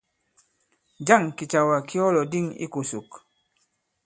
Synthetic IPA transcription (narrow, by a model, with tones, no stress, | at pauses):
d͡ʒa˦˨ŋki˨t͡ʃa˨wa˨ki˦ɔ˦lɔ˨di˦˨ŋḭ˦ko˨su˨k